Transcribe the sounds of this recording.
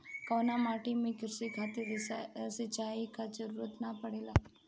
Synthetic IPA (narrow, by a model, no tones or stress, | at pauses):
kəʋnamaʈemẽkɾsikʰat̪eɾsit͡ʃaikad͡ʒəɾuɾot̪napəɽela